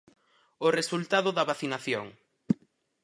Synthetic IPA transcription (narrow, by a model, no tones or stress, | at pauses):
ʊresult̪aðʊðɐβaθinaθjoŋ